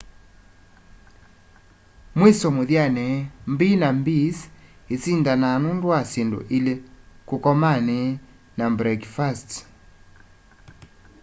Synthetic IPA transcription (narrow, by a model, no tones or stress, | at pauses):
mwesɔmoðjanɛmbinambis | esindananundwasendo̰ʔilekokɔmanɛ | nambɾɛkfast